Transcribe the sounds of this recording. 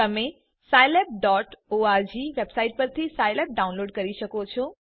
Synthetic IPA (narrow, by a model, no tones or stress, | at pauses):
ɐmẽ | saːjlep̚ɖɔːʈoaɾd͡ʑiʋebsaːɪʈ̚pɐɾt̪ʰisaːjlep̚ɖaːʊ̃nloːɖkɐɾiʃəkot͡ɕʰoː